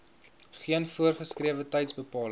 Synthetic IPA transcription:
χiənfuərχəskriəvətɛjtsbəpɑːlə

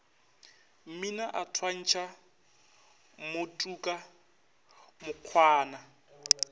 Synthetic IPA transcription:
m̩minaʔatʰwan̩ːt͡ʃʰa | mʊtʼuːkʼa | mʊq͡χʰwaːna

